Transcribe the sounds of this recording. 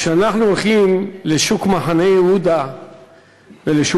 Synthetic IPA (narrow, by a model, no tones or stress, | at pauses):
ʃeanaχnuolχimle̞ʃukmaħane̞jehud̪a | veleʃu